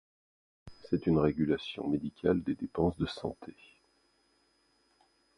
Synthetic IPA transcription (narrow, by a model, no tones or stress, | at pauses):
sɛt̪ynʁeɡʲylasjɔ̰̃med̪ikʲʰald̪ed̪epɑ̃sd̪əsɑ̰̃t̪ʰe